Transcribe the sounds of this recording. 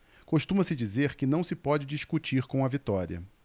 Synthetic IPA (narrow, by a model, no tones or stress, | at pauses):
koʃt̪ũmɐsɪd͡ʒizeɾkɪnɐ̃w̃sɪpɔd͡ʒɪd͡ʒiʃkut͡ʃiɾkõw̃ɐvit̪ɔɾiɐ̰